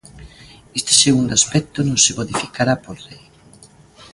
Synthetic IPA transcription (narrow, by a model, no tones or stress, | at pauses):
est̪e̥seɣund̪oaspɛk̚t̪ʊnõŋsɪmoðifikaɾapolrej